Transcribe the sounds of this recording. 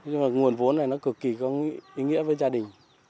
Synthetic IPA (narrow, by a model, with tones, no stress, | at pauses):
aː˨˩ŋu˨˩ənvo˨˦nːa˨˩jnɔ˨˦kɨ˨˩kːi˨˩kɔ˨˧˦ʔi˨˦ŋḭ˧˥əvəː˨˦jzaː˧ɗï˨˩ŋ̟